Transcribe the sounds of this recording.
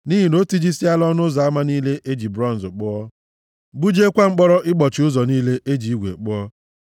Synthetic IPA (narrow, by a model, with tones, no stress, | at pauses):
ni˦ɦi˨no˦ti˦d͡ʒi˦si˦a˦lɔ˦nʊ˦za˨a˦ma˦niː˦le˦ʔe˦d͡ʒi˨bɾɔ˦˨n̩˨zʊ˨k͡pʊ˦ɔ˦ | ɡ͡bu˦d͡ʒe˦kʷa˦ŋ͡m̩˦k͡pɔ˦ɾɔ˦ʔɪ˦k͡pɔ˨t͡ʃɪ˨ʊ˦zɔ˨niː˦le˦ʔe˦d͡ʒi˨i˦ɡʷḛ˨k͡pʊ˦ɔ˦